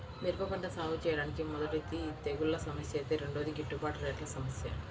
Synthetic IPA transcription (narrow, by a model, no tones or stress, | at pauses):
miɾpɐpɐɳʈɐsaːwut͡ʃɛːjɐɽaːnikimɔd̪ɐʈit̪ːit̪eːɡulːɐsɐmɐsjɐeːt̪eːɾeɳɖoːd̪iɡiʈːupaːʈɐɾeːʈlɐsɐmɐsjɐ̰